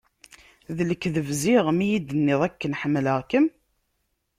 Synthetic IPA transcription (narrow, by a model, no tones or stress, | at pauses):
ðələkːðəvziʁmijid̪ənːɪðˤækːənħəmːləʁkəm